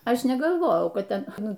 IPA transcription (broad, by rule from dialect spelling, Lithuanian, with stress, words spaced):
ˈɐʃ nʲɛɡɐlˠˈʋoːjɛʊ ˈkɐt ˈtʲɛn ˈnʊ